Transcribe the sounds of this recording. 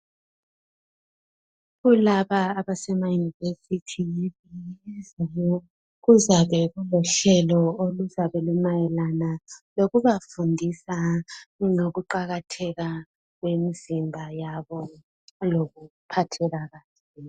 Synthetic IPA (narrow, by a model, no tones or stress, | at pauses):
ɣulaβaːβasɛmajunivesitʰijiβijiizajɔ | ɣuzaβɛɣulɔɬɛlɔoluzaβɛlumajɛlanaloɣuβafundʱisa | ŋoɣuǃaɣatʰɛɣa | ɣwemizimbʱajaβɔ | loɣupʰatʰɛɣaɣat | i